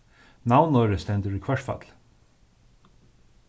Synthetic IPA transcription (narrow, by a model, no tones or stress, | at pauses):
nawnɔːɾəst̪ɛnt̪əɹikʰvɛʂʈfa̰t̪l